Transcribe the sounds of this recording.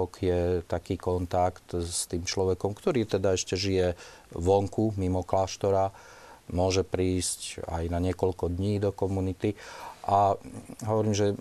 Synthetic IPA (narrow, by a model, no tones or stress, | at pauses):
ɔkjɛt̪akiːkɔnt̪akt̪st̪iːmt͡ʃlɔʋɛkɔmkt̪ɔɾiːt̪ɛd̪aɛʃcɛʒijɛ | ʋɔŋkumimɔklaːʃt̪ɔɾa | mʊɔʒɛpɾiːsca̰jnaɲɪɛkɔʎkɔd̪ɲiːd̪ɔkɔmunit̪iʔaɦɔʋɔɾiːmʒɛ